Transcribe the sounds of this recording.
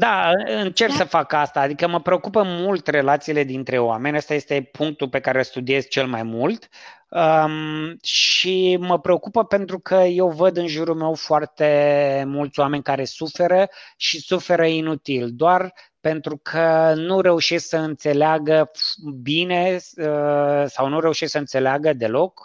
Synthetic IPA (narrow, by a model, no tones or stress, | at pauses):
d̪aɨɨnt͡ʃe̞rksəfakast̪aːd̪ikəməpɾe̞o̞kupəmult̪re̞lat̪siːle̞d̪int̪ɾe̞oame̞nʲast̪aje̞st̪e̞pʰuŋk̚t̪upe̞kaɾelst̪ud̪ie̞zt͡ʃe̞lmajmult̪ | ə | ʃiməpɾeo̞kupəpe̞nt̪ɾukʰəje̞wvəd̪ɨnʒuɾulme̞wfoart̪e̞mult̪sʲoame̞nʲkaɾe̞sufe̞ɾəʃisufe̞ɾəinut̪ild̪oar | pe̞nt̪ɾukʰənuɾe̞uʃesksəɨnt̪se̞leaɡəbine̞əsawnuɾe̞uʃesksəɨnt̪se̞leaɡəd̪e̞lo̞k